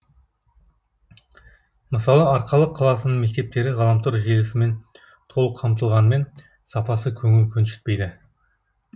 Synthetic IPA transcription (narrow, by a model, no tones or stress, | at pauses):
məsɑlˠəɑɾqɑlˠəqʰːɑlˠɑsənəɴme̞k̚t̪e̞p̚t̪e̞ɾɪʁɑlˠɑmt̪ʊɾʒelɪsɪme̞n | t̪ʰo̞lˠəqʰɑmt̪əlˠʁɑnəme̞n | sɑpɑsəkʲʰɵŋɪlkʲʰɵnʃɪ̥t̪̚pe̞jd̪ɪ